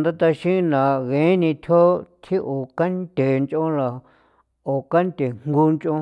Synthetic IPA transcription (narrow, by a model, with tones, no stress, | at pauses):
nd̪a˦t̪a˧ʃĩ˦nã˨ɣẽ˨˦nĩ˧t̪ʰo˦t̪ʰi˦ʔo˨ka˦nt̪ʲe˨nt͡ʃõ˦la˨ | o˨ka˦nt̪ʲe˨ŋ̥ɡu˧nt͡ʃõ˧